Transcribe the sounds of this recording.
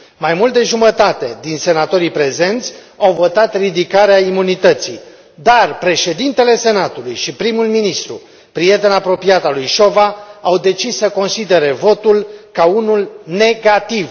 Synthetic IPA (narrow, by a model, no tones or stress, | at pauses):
majmult̪d̪e̞ʒumət̪at̪e̞̰d̪inse̞nat̪o̞ɾipɾe̞ze̞nt̪sʲ | awvo̞t̪at̪rid̪ikaɾeaimunit̪ət̪sḭ | d̪arpɾe̞ʃe̞d̪int̪e̞le̞se̞nat̪ulujʃipɾimulminist̪ɾṵ | pɾije̞t̪e̞napɾo̞piat̪alujʃo̞vaːwd̪e̞t͡ʃisːəko̞nsid̪e̞ɾe̞vo̞t̪ulkaunulne̞ɡat̪iv